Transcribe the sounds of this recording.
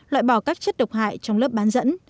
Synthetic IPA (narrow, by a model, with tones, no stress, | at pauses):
lwa̰ː˧˨jɓɔ˧˩kaː˦˥k̚t͡ɕə˦˥t̚ɗə˨˩wk͡p̚ɦa̰ː˧˨jt͡ɕɔ˧wŋ͡mlə˦˥əp̚ɓaː˨˦nzə̰˧˥n